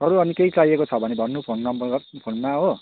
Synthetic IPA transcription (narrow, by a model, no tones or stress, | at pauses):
ʌɾuʌnikeit͡sajekot͡sʰʌbʱʌnebʱʌnːupʰonʌmpʰonmaɦo